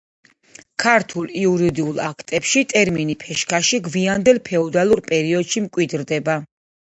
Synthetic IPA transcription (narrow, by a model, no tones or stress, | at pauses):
kʰaɾt̪ʰulˠiuɾid̪iulˠakʰt̪ʼɛpʃit̪ʼɛɾminipʰɛʃkʰaʃiɡviand̪ɛlˠpʰɛɔd̪alˠuɾpʼɛɾiɔd̪ʃimkʼwid̪ɾd̪ɛba